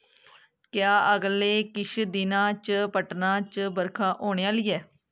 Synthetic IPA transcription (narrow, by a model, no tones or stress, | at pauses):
kjaːəɡleːkɪʃʰd̪ɪnãːt͡ʃəpəʈnãːt͡ʃəbəɾkʰãːʔoːɽ̃eːaːliːɛː